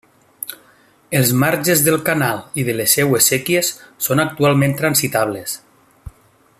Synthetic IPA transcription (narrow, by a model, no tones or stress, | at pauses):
elˠzmaɾʒezðəlˠkanalˠiðəlesːɛwesekiesːonak̚t̪ualˠmẽnt̪ɾansit̪aβles